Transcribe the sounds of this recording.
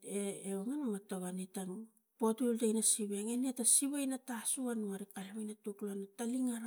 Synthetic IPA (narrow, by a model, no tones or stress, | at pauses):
eːoŋanomatoβanitaŋ | potultajnasiβeŋenetasiβajnatasuanuaɾikaliβajnatukloanataliŋaɾa